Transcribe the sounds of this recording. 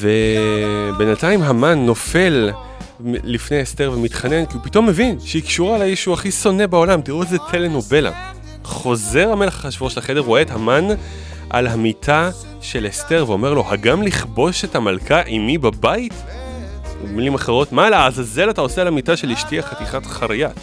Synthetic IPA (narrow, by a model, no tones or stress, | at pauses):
ve̞ | be̞nataimɦamanːo̞fe̞lː | ifneaeste̞ʁvemitχane̞nkiupito̞mːe̞vinʃeikʃuʁalaiʃuaχiso̞ne̞bao̞lamtiʁuetzetʰe̞le̞no̞be̞la̰ | χo̞ze̞ʁhame̞leχḁχaʃvoʃelaχede̞ʁoeethaman | ʔa̰lɦamitʰa | ʃe̞leste̞ʁveo̞me̞ʁlo̞haɡamliχbo̞ʃe̞tamalkʰaʔimibabait | ṵmilimaχe̞ʁo̞tmalaːzaze̞latao̞sealhamitaʃeliʃtiaχatiχatχaʁijat